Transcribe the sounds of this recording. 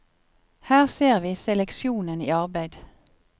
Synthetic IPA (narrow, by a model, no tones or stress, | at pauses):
hæːʁseːʁʋiːsɛlɛkʃjuːnənḭːɑʁbæɪd̪